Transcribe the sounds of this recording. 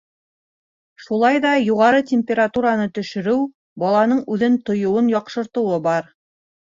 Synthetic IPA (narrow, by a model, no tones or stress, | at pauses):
ʃulˠɑjðɑjuʁɑɾɤtʲemʲpʲeɾat̪uɾanɤt̪ɵ̆ʃɘ̆ɾɘw | bɒlˠɑnɤɴʉðɘnt̪ŏjŏwɤnjɒqʃɤ̆ɾt̪ɤ̆wɤbɑɾ